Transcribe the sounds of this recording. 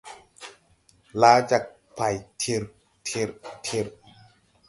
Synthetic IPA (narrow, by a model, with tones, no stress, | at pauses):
laː˨˦t͡ɕaː˨˩k̚ | pʰa˨˩jt̪ʰi˧ɾ | t̪ʰi˧ɾt̪ʰi˧ɾ